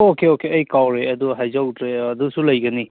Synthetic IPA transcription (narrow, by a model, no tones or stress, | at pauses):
okeokeɐjkawɾeɐduɦajzawutɾeɐdusulɐjɡɐni